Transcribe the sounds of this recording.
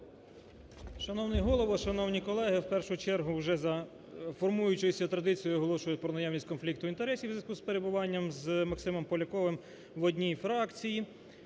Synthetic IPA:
ʃɐnɔwnɪɦɔlˠɔʋɔʃɐnɔwnʲikɔlˠɛɦɪwpɛrʃʊt͡ʃɛrɦʊwʒɛzɐ | fɔrmujʊt͡ʃɪjsʲɐt̪ɾɐd̪ɪt͡sʲijʊɔɦɔlˠɔʃʊjʊt̪̚ʲpɾɔnɐjɑwnʲisʲtʲkɔnflʲik̚t̪ʊint̪eɾɛsʲiwzɪkʊspe̞ɾe̞bʊʋɑnʲːɐmzmɐksɪmɔmpɔlʲɐkɔʋɪm | ʋɔdʲnʲijfɾɑkt͡sʲiji

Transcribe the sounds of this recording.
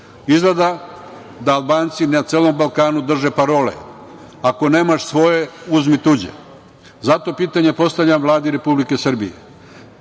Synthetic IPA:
izled̪a | d̪aːlˠbaːnt̪sinat̪seːlo̞mbalkaːnud̪r̩ʒe̞paɾo̞ːlḛ | ako̞ne̞ːmaʃsʋo̞je̞uzmit̪ud͡ʑḛ | zat̪o̞piːt̪aɲe̞po̞st̪avʎʲamʋlˠaːd̪iɾe̞publike̞sr̩bḭjḛ

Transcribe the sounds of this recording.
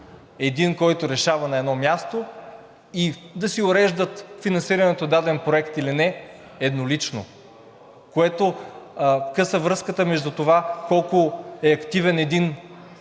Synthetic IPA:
ɛd̪inkɔjt̪oɾɛʃavɐnɐɛd̪nɔmjast̪o | id̪ɐsiʊɾɛʒd̪ət̪finɐnsiɾɐnɛt̪od̪ad̪ɛnpɾoɛkt̪ilinɛ | ɛd̪nolit͡ʃno̰ | koɛt̪o | kɤsəvɾɤskət̪əmɛʒd̪ut̪ovakɔlˠkoɛɐkt̪ivɛnɛd̪in

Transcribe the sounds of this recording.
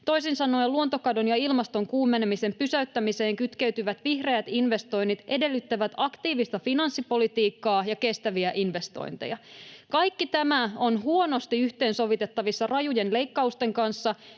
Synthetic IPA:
t̪o̞jsinsɑno̞jluo̞nt̪o̞kɑdonjɑilmɑst̪o̞ŋkuːmːenemise̞mpysæyt̪ːæmise̞ːŋkyt̪keyt̪yʋæt̪ʋihre̞æt̪inʋe̞st̪o̞jnːit̪e̞de̞lːyt̪ːæʋæt̪ɑkt̪iːʋist̪ɑfinɑnsːipo̞lit̪iːkːɑːjɑke̞st̪æʋiæʔinʋe̞st̪o̞̰jnt̪ḛjɑkɑjkːit̪æmæo̞nɦuo̞no̞st̪iyçt̪e̞ːnso̞ʋit̪et̪ːɑʋisːɑrɑjujenle̞jkːɑust̪e̞ŋkɑnsːɑ

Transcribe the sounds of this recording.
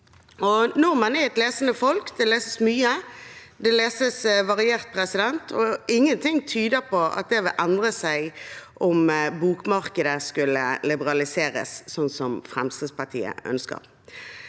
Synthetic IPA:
ɔnɔʁmɑnɛɛt̪leːsənəfɔlkd̪ɛleːsəsmyːəd̪ɛleːsəsʋɑʁɪeːʁt̪̚pʰʁɛsɪd̪ɛnt̪ʰɔɪŋːənt̪ʰɪŋt̪ʰyːd̪əʁpʰɔɑ̰t̪̚d̪ɛʋɪlʔɛnd̪ʁəsæɪʔɔmbuːkmɑʁkəd̪əskʉlːəlɪbəɾɑlɪseːɾə̰ssɔnːsɔmfʁɛmst̪ʁəːspɑʁt̪ʰḭːə̰ʔœ̰nskə̰ʁ

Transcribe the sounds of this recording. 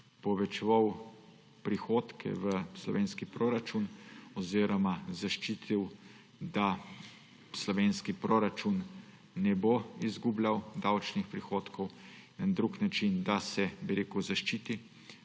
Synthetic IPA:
pɔʋɛt͡ʃɛʋaw | pɾixoːt̪kʰɛ̰ʋəslɔ̰ʋʔeːnskipɾoɾat͡ʃunɔziːɾɔmazaʃt͡ʃiːt̪ʰiw | d̪a | slɔʋeːnskipɾoɾat͡ʃunː | ɛboizɡublawd̪awt͡ʃnixpɾixoːt̪kʰɔw | nad̪ɾuknat͡ʃind̪asɛbiɾeːkʊzaʃt͡ʃit̪i

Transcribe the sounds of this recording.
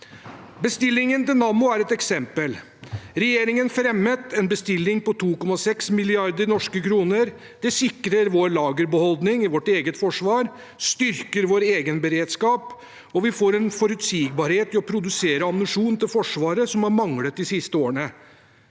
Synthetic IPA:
bəst̪ɪlːɪŋənt̪ɪlnɑmʊæɾɛt̪ɛksɛmpəl | ɾɛjeːɾɪŋənfɾɛmːət̪ʰɛnbəst̪ɪlːɪŋpɔt̪ʰuːkɔmɑsɛksmɪlɪɑɾd̪əɾnɔʂkəkʰɾuːnəɾ | d̪̥ɛsɪkɾəɾʋoːɾɭɑːɡəɾbəhɔld̪nɪŋɪʋɔʈeːɡət̪fɔʂʋɑːɾ | st̪ʏɾkəɾʋoːɾeːɡənbəɾeːd̪skɑːp | ɔʋɪfoːɾɛnfɔɾʉt̪siːɡ̚bɑɾheːt̪ɪɔpʰɾʊd̪ʉseːɾəɑmnʉʂuːnt̪ɪlfɔʂʋɑːɾəsɔmhɑɾmɑŋlət̪̚d̪ɪsɪst̪əoːəɳə

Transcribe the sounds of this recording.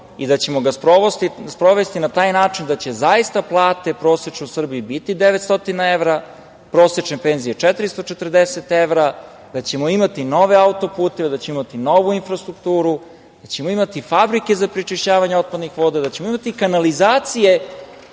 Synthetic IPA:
id̪at͡ɕe̞mo̞ɡaspɾoost̪ispɾo̞ʋe̞st̪inat̪aːjnaːt͡ʂind̪at͡ɕe̞zaist̪aplˠaːt̪e̞pɾosjet͡ʂnuusr̩bijubit̪id̪eʋet̪st̪o̞t̪inaeʋɾa | pɾosjet͡ʂnepeːnzijet͡ʂɛt̪ɾist̪ot͡ʃet̪r̩d̪eset̪eʋɾa | d̪at͡ɕe̞moimat̪ino̞ʋe̞aut̪o̞puːt̪eʋed̪at͡ɕemimat̪ino̞ʋuinfɾast̪ɾukt̪uːɾu | d̪̥at͡ɕemoimat̪ifabɾike̞zapɾit͡ʃiʃt͡ɕaːʋaɲeo̞t̪̚pad̪nixʋod̪ad̪at͡ɕe̞moimat̪ikanalizaːt̪sije̞

